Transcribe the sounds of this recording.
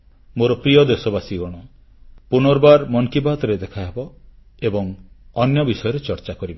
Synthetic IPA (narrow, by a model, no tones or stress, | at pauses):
moɾɔpɾijɔd̪esɔbasiɡɔɽ̃ɔ | punɔɾbaɾmɔŋkibat̪ɔɾed̪ekʰaɦebɔ | ebɔŋ | ɔnjɔbisɔjɔɾet͡ʃɔɾt͡ʃakɔɾibɔ